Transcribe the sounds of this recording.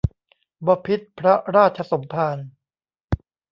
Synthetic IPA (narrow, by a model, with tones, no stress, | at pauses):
bɔː˧pʰi˦˥t̪̚pʰɾa˦˥ɾaː˥˩t̪̚t͡ɕʰa˧so˩˦mpʰaː˧n